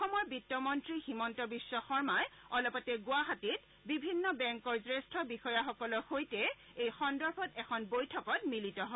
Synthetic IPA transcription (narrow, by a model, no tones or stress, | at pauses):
ɔxɔmɔɹbitːɔmɔntɹiximɔntɔbisːɔxɔɹmajɔlɔpɔtɛɡʊaɦatit̚ | bibʱinːɔbɛŋkɔɹsɹestʰɔbixɔjaxɔkɔlɔxojtɛ | ejxɔndɔɹbʰʱɔtɛkʰɔnbojtʰɔkɔtmilitɔɦɔ